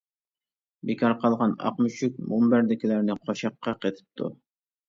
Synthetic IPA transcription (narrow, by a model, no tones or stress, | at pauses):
bekʰɑɾqʰɑlˠʁɑnɑ̰qmuʃyk̚ʲmumbæɾd̪ɪkʲilæɾnɪqʰoʃɑqːɑqet̪ʰɪ̥p̚t̪ʰṵ